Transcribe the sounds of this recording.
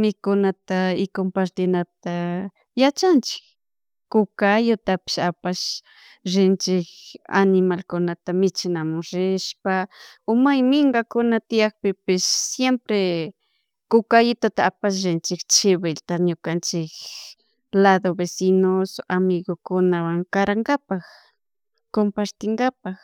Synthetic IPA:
nɪkʊnat̪aɪkompaɾt̪ɪnat̪a | jat͡ʃant͡ʃɪ̥k | kʊkajʊt̪apɪ̥ʃapaʃ | ɾɪnt͡ʃɪka̰nɪmalkʊnat̪amɪt͡ʃɪnamʊɾɪʃpaomajmɪŋɡakʊnat̪ɪjakpɪpɪsːjempɾe | kʊkajʊt̪at̪aapaʃ̬ɾɪnt͡ʃɪkt͡ʃɪβɪlt̪aɲokant͡ʃɪk | laðobesinosamɪɣokʊnawaŋkaɾaŋɡapax | kompaɾt̪ɪŋɡapax

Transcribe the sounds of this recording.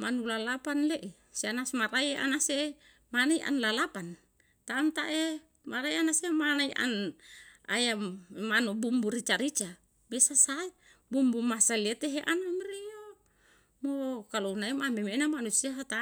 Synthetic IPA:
manulalapanleʔe | sianasmaɾaia̰nase | manaiʔa̰nlalapan | t̪aːmt̪aʔe | maɾajanasemanaiʔa̰n | a̰jammanubumbuɾit͡ʃaɾit͡ʃa | mesasaibumbumasaliet̪eɦeʔanamɾijo | mokalounaimamemenamanusiaɦat̪a

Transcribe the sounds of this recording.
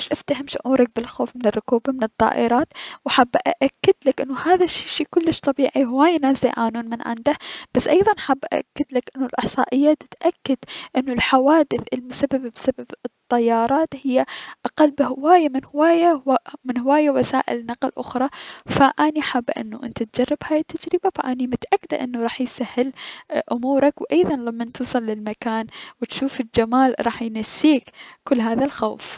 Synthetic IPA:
ʃʔɪft̪ahɪmʃʊʕʔuːɾˤɪk̚bɪlxoːfmɪnɪrˤːʊkuːbamɪnɨt̪ˤːɑ̰ːʔɪɾˤɑːt̪wħabːaʔa̰ʔakːɪd̪lakʔɪnːʊhaːðaʃːiːʃiːkʊlːɪʃt̪ˤɑbiːʕiɦɪwaːjnaːza̰ʕaːnuːnmɪnʕɪ̰nd̪ahb̥asːʔɑjðˤɑnħabːʔaʔa̰kːɪd̪lakʔɪnːʊlʔɪħsˤɑ̰ːʔɪjːat̪ɪt̪ʔakːɪd̪ʔɪnːʊlħawaːd̪ɪθʔɪlmʊsabːababɪsababɨt̪ˤːɑjːɑːɾˤɑːt̪hɪjːaʔaqalːbɪhɪwaːjamɪnhwaːjamɪnhɪwaːjawasa̰ːʔɪ̰lnɑqlʔʊ̰xɾˤɑfaʔaːniʔħabːʔɪ̰nːuʔɪ̰nt̪at̪̚d͡ʒɑrˤːɪbhaːjɪt̪ːad͡ʒɾɪbafaʔaːnimʊt̪aʔakːɪd̪a̰ʔɪnːuɾˤɑːħjsahːɪlʔʊmuːɾˤɑkwʔɑjðˤɑnlamːant̪uːsˤɑlːɪlmakaːnwɪt̪ʃuːfɪld͡ʒamaːlɾˤɑːħjnasːiːkkʊlːɦaːðalxowf

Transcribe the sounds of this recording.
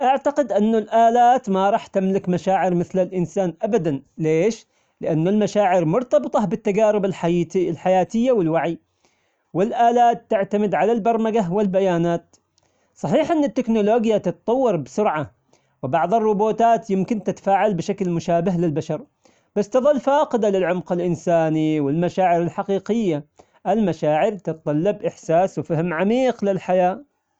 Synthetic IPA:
ʔaʕt̪aqɪd̪ʔɪnːʊlʔaːlaːt̪maɾˤɑːħt̪ɪmlɪkmaʃaːʕɪɾmɪθlɪlʔɪnsaːnʔabad̪anleːʃ | lɪʔanːʊlmaʃaːʕɪɾmʊɾt̪ɑbɨt̪ˤɑbɪt̪ːaɡaːɾɪbɪllħajaːt̪ɪjːawɪlwaʕi | wɪlʔaːlaːt̪ːɪʕt̪amɪd̪ʕalalbɑɾˤmaɡawɪlbajaːnaːt̪ | sˤɑħiːħʔɪnːɪt̪ːɪknʊloːɡjat̪ɪt̪ɑt̪ˤɑwːɑɾˤbɪsʊɾʕa | wɪbɑʕðˤɨrˤːʊboːt̪aːt̪jɪmkɪnt̪ɪt̪ḁfaːʕalbɪʃaklmʊʃaːbaɦlɪlbaʃɑɾˤ | b̥asːt̪ɨðˤɨlːfaːqɪd̪alɪlʕʊmqɪlʔɪnsaːniwɪlmaʃaːʕɪɾɪlħaqiːqɪjːa | ʔɪlmaʃaːʕɪɾt̪ɪt̪t̪ˤɑlːɑbʔɪħsaːswfahmʕamiːqlɪlħajaː

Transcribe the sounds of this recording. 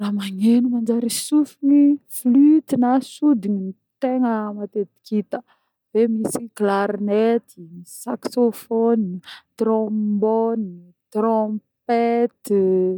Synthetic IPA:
raːmaŋenumand͡ʒaɾisufiniflyt̪inasud̪inini | t̪eŋəmat̪et̪i̥kit̪ə | vemisiklaɾnet̪isaksofɔnt̪rɔboni | t̪rɔ̃pet̪

